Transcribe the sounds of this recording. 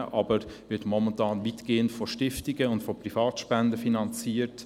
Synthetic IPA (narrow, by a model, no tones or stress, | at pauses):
ʔɑbəɾʋɪtmɔmɛntɑːnvitɡ̥eːəntfɔʃtɪftɪɡəʊntfɔprifɑːtʃpɛndəfinɑnt͡siːəɾt